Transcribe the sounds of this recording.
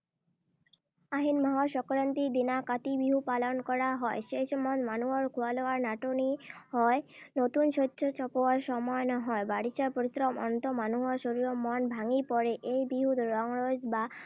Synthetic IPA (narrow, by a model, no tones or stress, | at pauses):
aɦinmaɦɔɾʃɔkɾant̪id̪inakat̪ibiɦupalonkɔɾaɦɔeʃeʃmɔnmanuoɾkʰualoaɾnaʈonihɔenot̪unʃotːɕʰot͡ɕɔpoaɾʃɔmɔenɔɦɔebaɽit͡ɕaɾpoɾisɾɔmɔ̰nt̪omanuɦoʃoɾiɾomɔnbʱaŋipɔɾeʔejbiɦud̪ʱɾɔŋɾod͡ʑba